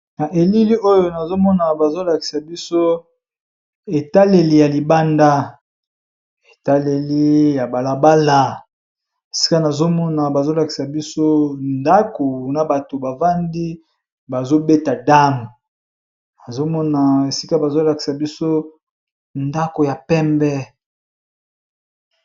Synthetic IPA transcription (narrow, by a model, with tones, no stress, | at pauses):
na˨ʔe˨li˦li˦ʔo˦jo˨na˨zo˦mɔ˦na˨ba˨zo˦la˨ki̥˨sa˨bi˦so˦ | e˨ta˦le˨li˦ja˨li˨ba˦nda˦ | e˨ta˦le˨li˦ja˨ba˨la˨ba˦la˨ | e˨si̥˦ka˦na˨zo˦mɔ˦na˨ba˨zo˦la˨ki̥˨sa˨bi˦so˦nda˦ko˨na˨ba˨to˨ba˨va˦ndi˦ | ba˨zo˦be˦ta˨da˦m˨ | na˨zo˦mɔ˦na˨e˨si˦ka˦ba˨zo˦la˨ki̥˨sa˨bi˦so˦ | nda˦ko˨ja˨pɛ˦mbɛ˦